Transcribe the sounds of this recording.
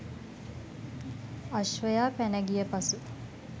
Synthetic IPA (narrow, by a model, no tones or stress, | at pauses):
aʃʋəjaːpænəɡijəpasu